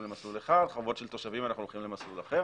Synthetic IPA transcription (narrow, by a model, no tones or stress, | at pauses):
mlemasluleχad̪χavo̞tʃelt̪o̞ʃavimanaχnulolχimlemaslulaχe